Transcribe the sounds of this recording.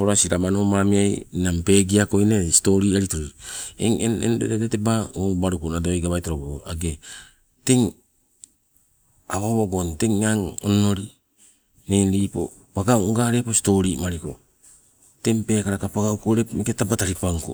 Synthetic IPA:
poɾasiɾamanomamiajnampe̞ːɡiako̞inesi̥to̞ɾiaɾitoɾoɾiḛŋenḛndeedetebaubaɾukonadoajɡaβajtoɾoboaɡe | teŋ | aβaβoɡonte̞ŋːaŋono̞ɾi | nenɾiːpo̰ | paɡawŋɡaɾe̞posi̥to̞ɾimaɾiko̞̰ | te̞ŋpe̞ːkaɾakapaɡawkoɾepmeketabataɾipaŋko̰

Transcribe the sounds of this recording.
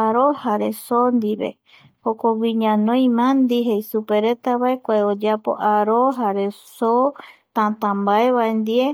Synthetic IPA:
aɾohaɾe̞sond̪iβe̞̰ | hokoɡiɲãnõj̃mãnd̪iɦejsupe̞ɾet̪aβaekʷaeod͡ʒapo̰ʔaɾoɦaɾe̞sot̪ãt̪ãmbaeβaend̪ie

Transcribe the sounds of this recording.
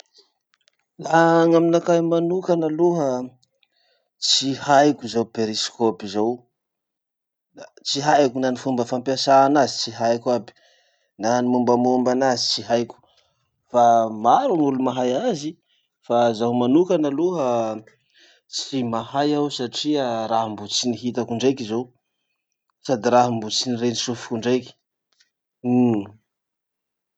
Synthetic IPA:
laŋaminakajmanukanaluɦə | t͡sihajkʲuzawpeɾiskopizaw | at͡siɦajkunanifumbəfampjasaːnazi̥t͡siɦajkabi̥ | nanimumbamombanazit͡siɦajkʲu̥ | famaɾunulumaɦajazi | fazawmanukanaluɦə | t͡simahajawsaʈ͡ʂiaɾaɦmbut͡siniɦit̪akuɳɖ͡ʐajkizow | sad̪iɾaɦmbut͡sinirenisufi̥kuɳɖ͡ʐajki̥

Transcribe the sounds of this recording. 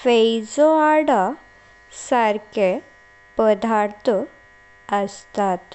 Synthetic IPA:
fejd͡zoaɽa | saɾke | pəd̪ʱaɾt̪ʰ | əst̪at̪

